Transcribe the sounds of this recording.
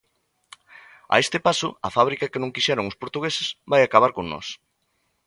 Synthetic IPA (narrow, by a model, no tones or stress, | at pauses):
a̰est̪ɪpasʊ̰ɐfaβ̞ɾikɐkenõŋkiʃɛɾoŋʊspoɾt̪uɣesɪsβajakaβ̞aɾkoŋnɔ̰s